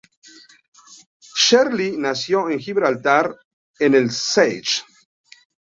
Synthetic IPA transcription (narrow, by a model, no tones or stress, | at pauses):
ʃeɾlinasjoeŋxiβɾalt̪aɾ | enelsejt͡ʃ